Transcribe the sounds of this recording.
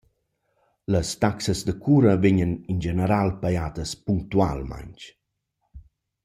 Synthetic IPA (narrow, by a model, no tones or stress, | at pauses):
ləst̪aksəzd̪əkʰuːɾəveɲənind͡ʒenəɾalpajaːd̪əspuŋkt̪ua̰lma̰ɲt͡ʃ